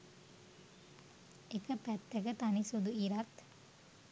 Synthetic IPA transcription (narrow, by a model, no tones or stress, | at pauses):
ekəpæt̪ːekət̪anisud̪uiɾat̪